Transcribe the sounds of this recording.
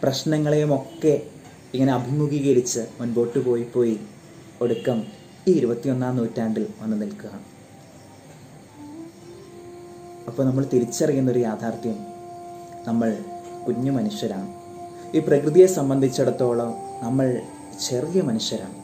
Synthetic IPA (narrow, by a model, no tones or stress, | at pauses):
prɐɕnɐŋːɐɭejumo̞kːe̞ | iŋːɐneɐbʱimuɣiːɣɐɾit͡ɕːɨmunbo̞ːʈːɨpo̞ːjipːo̞ːji | o̞ɽukːɐm | iːiɾubɐt̪ːijo̞nːaːnːuːtːaːɳɖilʋɐnːɨnilkuɣɐ | ɐpːoːɭnɐmːɐɭt̪iɾit͡ɕːɐrɐjunːɐoɾujaːd̪ʱaːrt̪jɐm | nɐmːɐɭkuɲːumɐnuʂjɐɾaːɳɨ | iːprɐkrɨðijesɐmbɐnd̪ʱit͡ɕːeɽɐt̪ːo̞ːɭonɐmːɐɭ | t͡ɕe̞rijɐmɐnuʂjɐɾa̰ːɳɨ